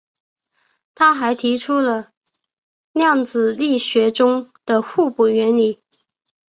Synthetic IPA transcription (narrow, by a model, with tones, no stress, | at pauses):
t̪ʰa˥xa˧˥ɪt̪ʰi˧˥ʈ͡ʂʰu˥lə˨ | ljɑ˥˩ŋt͡sɹ̩˨˩li˥˩ɕɥɛ˧˥ʈ͡ʂʊ˥ŋd̪̥ə˨xu˥˧pu˨˩ɥɛ˧˥nli˨˩˦